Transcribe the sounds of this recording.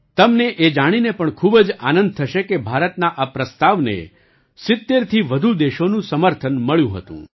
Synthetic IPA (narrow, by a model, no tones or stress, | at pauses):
t̪əmneʔed͡ʒaɽ̃inepəɳkʰubəd͡ʒa̰nə̃nd̪̚t̪ʰəʃekebʱaɾət̪naʔapɾəst̪aʋnḛ | sɪt̪ːeɾt̪ʰiʋəd̪ʱud̪eʃonũsəməɾt̪ʰənməɭjũɦə̰t̪ṵ̃